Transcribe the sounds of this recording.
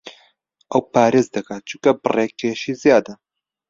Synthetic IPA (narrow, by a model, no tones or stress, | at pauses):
ʔɐwpaːɾeːzd̪ɨkɐt͡ʃʰukɐbɨ̰reːkʰːeʃiːzijaːd̪ɐ